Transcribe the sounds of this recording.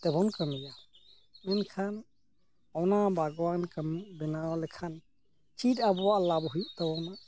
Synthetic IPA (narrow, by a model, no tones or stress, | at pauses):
t̪ɛbɔnkəmija | mɛnkʰan | ɔnabʱaɡwankəmʔbɛnawlɛkʰan | t͡ʃʰit̪abɔwaʔlabɦujuʔt̪ɛbɔna